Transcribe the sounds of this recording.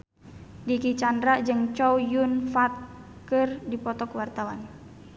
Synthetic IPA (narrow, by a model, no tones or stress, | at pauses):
dikit͡ʃandɾaʔd͡ʒɨŋt͡ʃɔwjunfat̪̚ | kɨrdipɔt̪ɔkwart̪awan